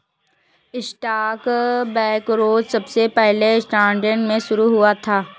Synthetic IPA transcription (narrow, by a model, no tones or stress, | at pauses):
ɪsʈaːkbɛːkɾoːd͡ʒsɐbsepɛɦleɪsʈãːɳɖəɳɖmẽʃʊɾuɦʊat̪ʰaː